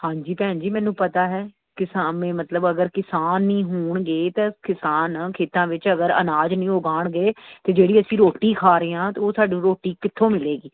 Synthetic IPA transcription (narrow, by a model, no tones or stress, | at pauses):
hãːɲd͡ʒiːpɛ̃ːd͡ʒiːmɛ̃ːnũːpət̪aːɦɛː | kɪsaːmẽːmət̪ləbəɡəɾkɪsaːnːĩːɦuːɳɡeːt̪akɪsaːnkʰeːt̪ãːʋɪt͡ʃəɡəɾə̰naːd͡ʒnĩːʊɡaːɳɡəeːt̪eːd͡ʒeːɽiːəsĩːɾoːʈiːkʰaːɾeːãːt̪eoːsaːɖũːɾoːʈiːkɪt̪ʰːõːmɪleːɡiː